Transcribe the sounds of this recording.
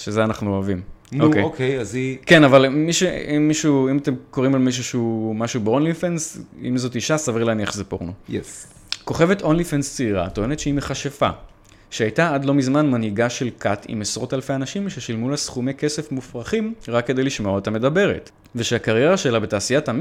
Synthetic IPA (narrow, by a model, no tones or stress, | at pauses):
ʃezeanaχnuoavimnokejokejazike̞navalmiʃeimːiʃuimate̞mko̞ʁimalmiʃ̬uʃeumaʃubeo̞nlifensḭmzo̞tiʃasavilaniaχzepo̰ʁnojes | ko̞χe̞ve̞to̞nlifenst͡seiʁa̰toe̞netʃeimeχaʃefa̰ | ʃeajtaadlo̞mizmanmanhiɡaʃe̞lkʰatḭmesʁo̞talfe̞anaʃimʃeʃilmulasχumeke̞sefmufʁaχimʁakːede̞jliʃmoetame̞dabe̞ʁḛt | veʃeakaʁje̞ʁaʃe̞labe̞taːsijatam